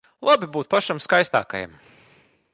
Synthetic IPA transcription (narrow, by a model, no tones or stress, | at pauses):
lˠabibuːt̪̚paʃamskajst̪a̰ːka̰ja̰m